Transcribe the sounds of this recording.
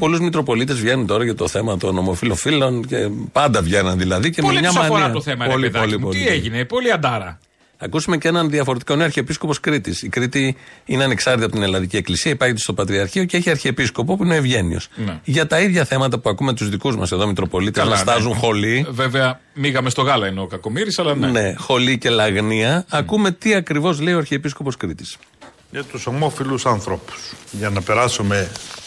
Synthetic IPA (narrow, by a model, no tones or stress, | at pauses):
po̞luzmit̪ɾo̞po̞lit̪ezvʝe̞nunt̪o̞ɾɐʝɐt̪o̞θe̞mɐt̪o̞no̞mo̞filo̞filo̞ncepɐnd̪ɐvʝenɐnðilɐðicemɲɐsmɐnoɾiɐɐoθemɐplðoliolieʝinepoliɐnd̪ɐɾɐ | ɐkusume̞ce̞nɐnðiɐfo̞ɾe̞t̪ikɐoneɐɾçeepisko̞po̞skɾit̪isikɾit̪iineɐne̞ksɐɾt̪it̪iɐpot̪inelɐnðicieklisiɐipɐçet̪est̪opɐt̪ɾiɐɾçioceeçiɐɾçiepisko̞po̞puineoevʝe̞nḭo̞̰snʝɐt̪ɐiðʝɐθe̞mɐt̪ɐpuɐkumet̪uzðikuzmɐ̰se̞ðo̞mit̪ɾo̞po̞lit̪eznɐst̪ɐzuŋxo̞liveveɐ | miɣɐme̞st̪o̞ɣɐlɐinokɐko̞miɾisɐlɐnene̞xo̞lice̞lɐɣniɐːkume̞t̪iɐkɾivo̞zleioɐɾçeepiskopo̞skɾit̪i̥s | ʝɐt̪usomo̞filusɐnθɾo̞pu̥sʝɐnɐpe̞ɾɐsume